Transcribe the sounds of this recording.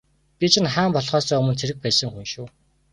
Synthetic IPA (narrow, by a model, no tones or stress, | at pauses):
pʲit͡ɕʰɪ̆nχaːmpɔɮχɔːsɔːɵmɵ̆t͡sʰeɾɘ̆k̚pæːsə̆ŋxunʃuː